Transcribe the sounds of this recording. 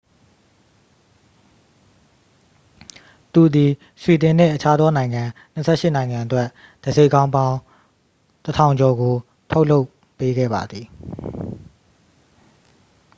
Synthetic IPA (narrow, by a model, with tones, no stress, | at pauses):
t̪u˨d̪i˨ | swi˨t̪ɪ̃˨n̥ɪ̰̃˦˨ʔət͡ɕʰa˦d̪ðɔ˦nã˨ɪ̃ŋã˨ | n̥əsʰɛ̰˦˨ʃɪ˦˨nã˨ɪ̃ŋã˨ʔətwɛ˦ʔ | d̥əze˦ɪʔkːã˦ʊ̃mbã˦ʊ̃ | tətʰã˨ʊ̃ɲd͡ʑɔ˨ɡo˨ | tʰo˦ʊʔlo˦ʊ | pːe˦ɡɛ̰˦˨ba̰˨d̪ði˨